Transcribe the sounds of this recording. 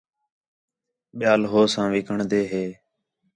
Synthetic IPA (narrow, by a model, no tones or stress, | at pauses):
ɓɪjaːlɦoːsãːʋɪkʰəɳd̪eːɦeː